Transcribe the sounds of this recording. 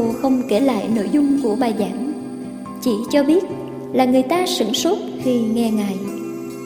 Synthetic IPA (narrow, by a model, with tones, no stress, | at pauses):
xə˧wŋ͡mke˧˩la̰ː˧˨jno̰˧˥jzʊ˧ŋ͡mku˧˩əɓaː˨˩jzaː˧˩˦ŋ | t͡ɕi˧˩˦t͡ɕɔ˧ɓi˦˥ət̚ | laː˨˩ŋɨ˨˩əjt̪aː˧sɨ̰˧˩ŋso˦˥t̚xi˧˩ŋɛ˧ŋaː˨˩j